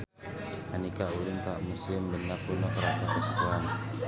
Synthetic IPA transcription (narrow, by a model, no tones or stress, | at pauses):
anikaulɪŋk̪aʔmusɪmlənapunɔkəɾat̪akəsəkuan